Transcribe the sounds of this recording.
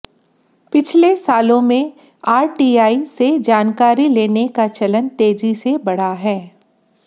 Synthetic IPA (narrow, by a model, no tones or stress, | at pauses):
pɪt͡ʃʰlesaːlõmẽ | aːɾʈiːaːised͡ʒaːnkaːɾileːnekat͡ʃɐlənt̪eːd͡ʒisebɐɽ̤aɦɛː